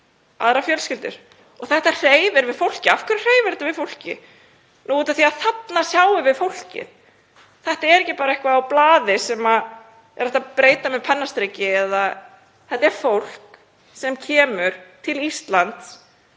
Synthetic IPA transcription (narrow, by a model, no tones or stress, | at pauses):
a̰ðɾafjœlscɪlt̪ʏ̰ɾ̥ | ɔɣθɛht̪ar̥eːjvɪɾvɪðfowl̥cɪafkʏɾar̥eːjvɪɾɛ̥t̪avɪðfowl̥cɪ̰ | nuːuːt̪aθiaðθat̪nasjaːwɪvɪðfowl̥cɪ̰ð | θɛht̪aɛɾɛhcːɪpaːɾaɛhkvaːwplaːðɪsɛma | ɛɾɛht̪apɾeːjt̪amɛðpʰɛnːast̪ɾecɪɛða | θɛht̪aɛɾ̥fowl̥k | sɛmcʰɛːmʏɾ̥t̪ʰɪlist̪lant̪s